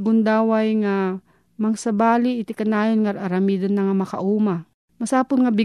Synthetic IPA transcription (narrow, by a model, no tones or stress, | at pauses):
ɡʊnd̪aːwajŋa | mɐŋsɐbaːlɪɪt̪ɪkɐnaːjonŋaɾʔaɾɐmiːd̪ɐnːɐŋamɐka̰ʔuːma | mɐsaːpʊnŋabɪ